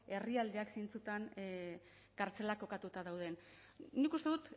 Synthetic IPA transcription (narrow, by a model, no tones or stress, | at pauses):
e̞riald̪eaksejnt͡sut̪an | kaɾt͡se̞lako̞kat̪ut̪aðawð̞ennikust̪e̞ðut̪